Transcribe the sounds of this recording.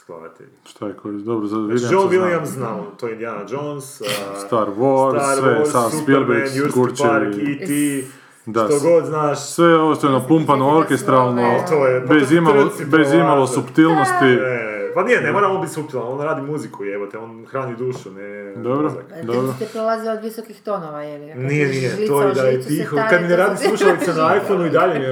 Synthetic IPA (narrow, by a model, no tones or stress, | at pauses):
ska̰d̪̰t̪ḭ | ʃt̪ajekʰoɾd̪obɾozad̪ʋid̪id͡ʒomilˠiamznat̪ojeind̪ianad͡ʒonsst̪aɾʋosʋejessasspilbekukuɾt͡ʃeɾit̪i | d̪at̪oɡod̪znaːʃsʋejeost̪onopumpanooɾkest̪ɾalˠnot̪ojɛbezimaobezimalosupt̪ilˠnost̪iepanijenemoɾamonbit̪ʲsupt̪ilˠnanond̪aɾaːd̪imuzikuieʋot̪eoːnxɾaːnid̪uːʃuned̪obɾod̪obɾoepɾolˠaziod̪ʋisokixt̪onoʋajelnienijet̪ojid̪aʎepixok̪ad̪mineɾaːd̪imslˠuʃsaʋit̪senaajfonuid̪aʎemi